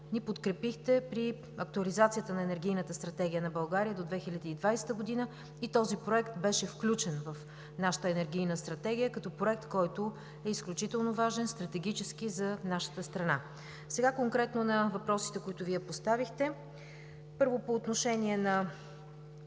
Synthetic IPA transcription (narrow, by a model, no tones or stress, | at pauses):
nipot̪kɾɛpixt̪ɛpɾi | ɐk̚t̪uɐlizat̪sijət̪ənɐɛnɛɾɡʲijnət̪əst̪ɾɐt̪ɛɡʲijənɐbɐlˠɡaɾijəd̪od̪vɛxilʲəd̪iːd̪vajst̪əɡod̪inə | it̪ɔzipɾoɛkt̪bɛʃɛfklʲut͡ʃɛnvəf | naʃə̥t̪əɛnɛɾɡʲijnəst̪ɾɐt̪ɛɡʲijəkɐt̪ɔpɾoɛk̚t̪kɔjt̪ʊ | ɛisklʲut͡ʃit̪ɛlˠnovaʒɛnst̪ɾɐt̪ɛɡʲit͡ʃɛskizɐnaʃə̥t̪əst̪ɾɐna | sɛɡakoŋkɾɛt̪nonɐvɐpɾɔsi̥t̪ɛkoit̪ʊviɛpost̪avixt̪ɛ | pɤɾvopoːt̪noʃɛniɛnɐ